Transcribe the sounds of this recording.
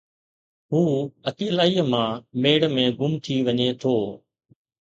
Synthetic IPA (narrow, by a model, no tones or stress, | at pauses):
ɦuːət̪iːəlaːiːmãːmeːɽmẽːɡʊmt̪ʰiːʋəɲet̪ʰoː